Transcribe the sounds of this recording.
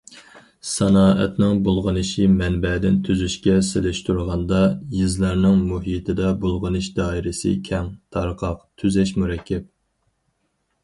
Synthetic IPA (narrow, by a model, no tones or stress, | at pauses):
sɑnɑːʔɛ̰t̪nɪŋbolˠʁənɨʃimɛnbɛd̪ɪnt̪ʰyzyʃkʲɛselɪʃt̪uɾʁɑnd̪ɑjizlæɾnɪŋmuɦit̪ʰɪd̪ɛbolˠʁənɨʃd̪ɑːiɾɪsɪ̰kʲʰɛŋt̪ʰɑɾqʰɑqt̪ʰyzɛʃmuɾɛkʲʰːɛp̚